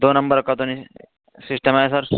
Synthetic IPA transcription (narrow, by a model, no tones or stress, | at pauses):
d̪onɐmbəɾkɐt̪oni | sisʈəmaesɐɾ